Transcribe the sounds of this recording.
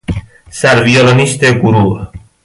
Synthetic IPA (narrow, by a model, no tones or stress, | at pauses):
saɾvioloniʃt̪eɡuɾu